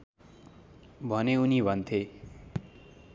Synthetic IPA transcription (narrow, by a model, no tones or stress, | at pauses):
bʱʌneunibʱʌnt̪ʰe